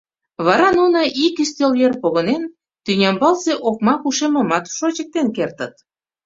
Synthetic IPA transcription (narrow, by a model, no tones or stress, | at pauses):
βɑɾɑnunəʔikyst̪eljerpoɣə̆nen | t̪ynʲɑmbɑlseʔok̚mɑkuʃemə̆mɑt̪ʃot͡ɕək̚t̪enkert̪ə̆t̪